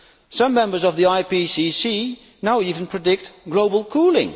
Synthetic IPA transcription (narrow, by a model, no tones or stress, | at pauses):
sʌ̃mːɛ̃mbə˞zʌvðiaɪpisisi | naʊivə̃n̩pʰɹ̥ɨdɪk̚t̚ɡ̥loʊbəl̩ˠkʰulˠɪ̃ŋ